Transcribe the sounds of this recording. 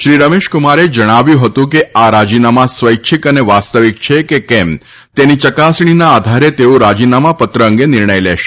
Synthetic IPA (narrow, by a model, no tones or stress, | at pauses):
ʃɾiɾəmeʃkumaɾed͡ʒəɽ̃aʋjũɦət̪ũk̬eaɾad͡ʒinamasʋəjkt͡ʃʰikəneʋast̪əʋik̚t͡ʃʰekekɛm | t̪enit͡ʃəkasɳ̃inaːd̪ʱaɾet̪eoɾad͡ʒinamapət̪ɾəə̃ŋɡenɪɾɳəjlɛʃ